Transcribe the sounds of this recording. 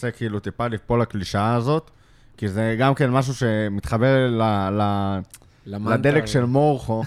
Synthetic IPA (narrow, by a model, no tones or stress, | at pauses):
sekiilut̪ipalipolakliʃaːzo̞t̪ | kizeɡamke̞nmaʃ̬uʃe̞mit̪χabe̞ʁlala | lad̪elekʃelmoʁχo